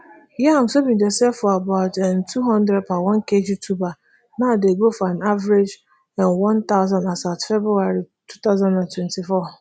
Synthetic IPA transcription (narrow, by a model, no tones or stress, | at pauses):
jɛãm̩somĩdɛsɛfɔabaʊtɛntʰuɦɔ̃ndɾɛd̚pʰawɔ̃nkʰed͡ʒutʰuba | nãdeɡofɔãnavɾed͡ʒ | ɛ̃nwɔ̃nt̪aʊzãnasatfɛbɾuaɾi | tʰu̥t̪aʊzãnãntʰwɛ̃ntʰifɔ